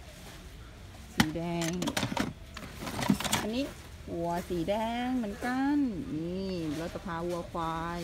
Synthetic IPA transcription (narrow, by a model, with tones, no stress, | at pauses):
siː˨˩˦dɛː˧ŋ | ʔa˧nːiː˦˥ | hu˨˩˦ɐsiː˨˦dɛː˧ŋmɯ˨˦nka˧nʔiː˧˩lɔ˦˥t̪ːa˧˩pʰaː˧ʔu˧ɐkʰwaː˧j